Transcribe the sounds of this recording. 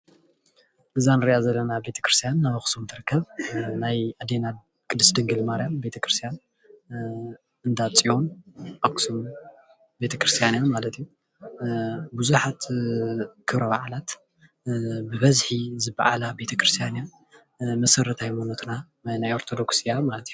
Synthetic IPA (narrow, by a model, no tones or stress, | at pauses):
ʔɨzanɨɾiʔazɐlːɐnabe̞t̪ʰɐ̥kɾɨ̥st̪ʰjanːaβɨxsumt̪ʰɨɾɨkːɐβnajʔad̪ena | kʼɨd̪ɨsd̪ɨŋɡɨlmaɾijambe̞t̪ʰɐkɾɨst̪ʰijan | ʔɨnd̪at͡sʼiʔonʔoksum | be̞t̪ʰɐkɾɨst̪ʰijanjamalɐt̪iju | buzuħat̪ | kʰɨβɾɐβa̰ʕalat̪ | bɨβɐzħizɨba̰ʕa̰labe̞t̪ʰɐkɾɨst̪ʰijanja | mɐsɐɾɐt̪ʰajmunɐt̪ʰna | najo̞ɾt̪ʰo̞d̪o̞ksijamalɐt̪ju